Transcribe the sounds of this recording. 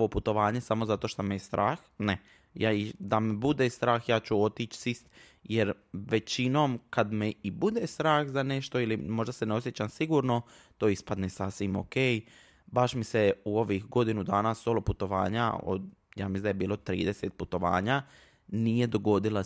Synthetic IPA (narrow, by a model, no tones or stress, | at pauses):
oʋoput̪o̞ʋaːɲesamo̞zat̪o̞ʃt̪omejest̪ɾʔaːxne | jaid̪amebud̪est̪ɾaːxjaːt͡ɕuo̞t̪iːt͡ʃsist̪ | jeɾʋet͡ɕino̞ːmkad̪meibud̪eːst̪ɾaːxzane̞ʃt̪o̞ilimo̞ʒd̪aseneo̞sjet͡ɕamsiɡuːɾno̞ | t̪oːispad̪nesasʋimo̰kej | baʃmiseuo̞ʋixɡo̞d̪inud̪aːnasoloput̪o̞ʋa̰ːɲa̰o̰d̪ | jaːmisld̪jebiːlˠo̞t̪ɾḭːd̪eset̪̚put̪o̞ʋa̰ːɲa | nije̞d̪o̞ɡo̞d̪ila